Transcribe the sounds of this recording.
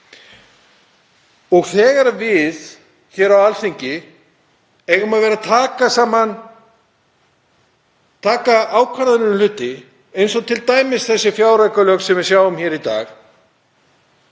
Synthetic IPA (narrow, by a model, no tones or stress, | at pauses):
ɔɣθɛːɣaɾvɪð | çɛːɾawalθiɲcɪ | ɛɣʏmaðvɛːɾat̪ʰaːkasaːman | t̪ʰaːkaaːwkʰvaɾðʏnʏnlʏːt̪ːɪ | ejnsɔt̪ʰɪlt̪aːjmɪsθɛsːɪfjaːwɾaɥkalœːksɛmvɪɾ̥sjaːwʏmçɛːɾit̪a̰ːx